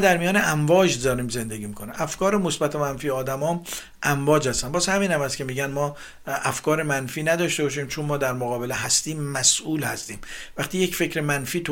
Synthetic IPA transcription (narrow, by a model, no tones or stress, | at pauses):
d̪æɾmijɒːneʔæɱvɒːd͡ʒd̪ɒːɾiːmze̞nd̪eɡʲiːmikʰoniʔæfkɒːɾemosbæt̪ʰemænfiːɒːd̪æmɒːm | ʔæmvɒːd͡ʒhæst̪ænbɒːzhæmiːnhæmhæst̪kʰʲemiːɟænmɒː | æfkʰɒːɾemænfiːnæd̪ɒːʃt̪ebɒːʃ̬iːmt͡ʃʰonmɒːd̪æɾmoɣɒːbeleɦæst̪iːmːæsʔuːlhæ̰st̪iːmvæχt̪iːjecfe̞cɾemænfiːt̪ʰo